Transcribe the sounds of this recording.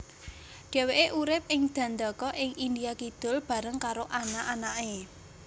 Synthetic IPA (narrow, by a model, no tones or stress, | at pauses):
ɖ̥ɛ̤weʔeʔuɾɪp̚ɪŋd̪̥ä̤nd̪akɔʔɪŋind̪ijakid̪̥ʊ̤lb̥a̤ɾəŋkaɾoʔanaʔanaʔe